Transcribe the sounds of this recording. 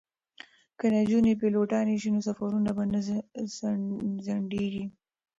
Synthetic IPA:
kənad͡ʒunepeloʈɑneʃinosafaɾunabanazzaɳɖeɡi

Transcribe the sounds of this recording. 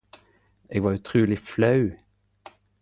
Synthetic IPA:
ʔeːɡʋɑːɾʉt̪ʰɾʉːlɪflɑʉ

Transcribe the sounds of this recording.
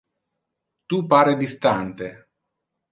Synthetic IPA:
t̪upaːɾed̪ist̪ant̪e

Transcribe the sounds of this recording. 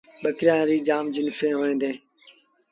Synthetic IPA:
ɓəkɾjãːɾiːd͡ʒaːmd͡ʒʊnfẽːɦoːẽːd̪eː

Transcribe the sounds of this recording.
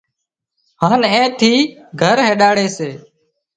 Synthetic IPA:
haːnẽːt̪ʰiːɡʱəɾɦeːɗaːɽeːseː

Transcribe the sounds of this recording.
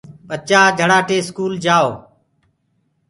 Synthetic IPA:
ɓət͡ʃaːd͡ʒʱəɽaːʈeːskuːld͡ʒaːoː

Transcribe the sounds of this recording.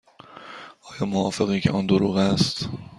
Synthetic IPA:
ʔɒːjɒːmoɒːfeɣiːcʲʰḛʔɒːnd̪oɾuːɣæst̪

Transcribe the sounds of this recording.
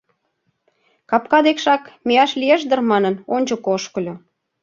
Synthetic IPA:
kɑpkɑd̪ekʃɑkmeɑʃlieʃd̪ərmɑnənonʲt͡ɕŏkoʃkɤlʲo

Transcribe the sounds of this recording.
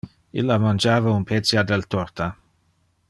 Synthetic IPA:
ilːamand͡ʒaːvaunpʰɛt̪sjad̪ɛlt̪ɔrt̪a

